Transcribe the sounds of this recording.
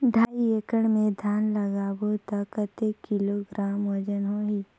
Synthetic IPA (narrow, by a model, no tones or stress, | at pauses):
ɖʱaːiekəɽmẽd̪ʱjaːnləɡaːbot̪akət̪ekːɪloːɡɾaːmwəd͡ʒənɦoi